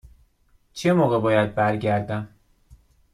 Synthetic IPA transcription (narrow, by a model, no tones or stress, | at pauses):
t͡ʃʰe̞moːɣebɒːjæd̪̚bæɾɟæɾd̪æm